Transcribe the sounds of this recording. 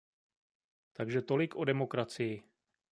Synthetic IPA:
t̪aɡʒɛt̪o̞lɪkʰʔo̞dɛmo̞kɾat͡sɪjɪ

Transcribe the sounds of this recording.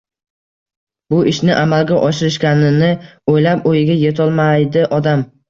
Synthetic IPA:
bʊʔɪʃnɪʔamalɡʲaʔɒʃɪɾɪʃkʲanɪnɪojlapojɪɡʲaje̞t̪ʰɒlˠmajd̪ɪʔɒd̪am

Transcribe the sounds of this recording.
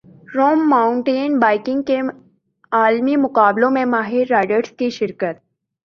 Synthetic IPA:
ɾoːmːaːʊɳʈeːnbaːɪkɪ̃ŋɡke | aːlmimʊqaːblõmẽmaːɦɪɾːaːɪɖəɾskiʃɪɾkət̪̚

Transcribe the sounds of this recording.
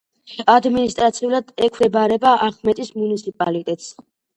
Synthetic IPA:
ad̪minist̪ʼɾat̪sʰiulad̪ɛkʰɾɛbaɾɛbaʔaχmɛt̪ʼismunit̪sʰipʼalit̪ʼɛt̪ʼs

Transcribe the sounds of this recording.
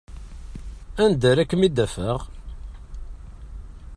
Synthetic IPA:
ænd̪əɾækːəmid̪æfəʁ

